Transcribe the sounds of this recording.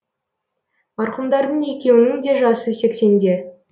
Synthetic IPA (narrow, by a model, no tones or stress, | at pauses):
mɑɾqəmd̪ɑɾd̪əɴe̞kʲe̞wɪnɪŋd̪e̞ʒɑsəse̞kse̞nd̪e̞